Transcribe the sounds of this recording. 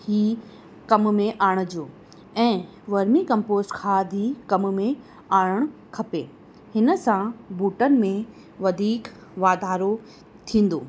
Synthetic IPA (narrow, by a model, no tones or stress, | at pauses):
hiː | kɐmmẽʔaːɽ̃ʊd͡ʑoː | ɛ̃ː | ʋɐɾmĩkɐ̃mpoːsʈkʰaːd̪ʱikɐmmẽ | aːɽəɽ̃kʰɐpeː | hɪnə̆sãbuːʈənɪ̆mẽ | ʋɐd̪ʱiːk | ʋaːd̪ʱaːɾo | t̪ʰĩːn̆d̪oː